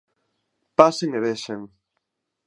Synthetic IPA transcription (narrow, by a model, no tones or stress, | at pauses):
paseŋeβeʃeŋ